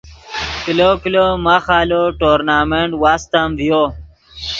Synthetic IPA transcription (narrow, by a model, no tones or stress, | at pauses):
kilokilomaxaːloʈoːɾnaːmeɳʈwaːst̪amvijo